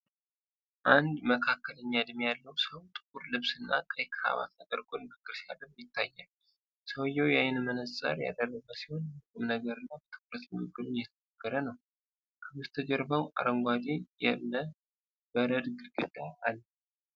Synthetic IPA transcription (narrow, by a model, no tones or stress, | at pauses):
ʔand̪məkʰakːələɲːad̪mijalːəwsəwt̪ʼɨ̥kʼuɾlɨβsɨnːa̰kʼəjkʰɨ̥ɾa̰βa̰t̪ad̪əɾɡonbɨkʼːɨɾsialɨmjɪt̪ːajːal | səwjɛwjajɪnmənəsʼa̰ɾja̰d̪ərːəβəsi̥ho̞nɨkɨmnəɡəɾɨnːabət̪ʰɨ̥kʼɾət̪ɡɨɡɨlujɛt̪ʰənəɡəɾənəw | kʰəmɨst̪ʰəd͡ʒɛɾbəwa̰ɾəŋɡʷad̪ejɛmnə | bəɾəd̪ɡɨɡɨd̪ːaalː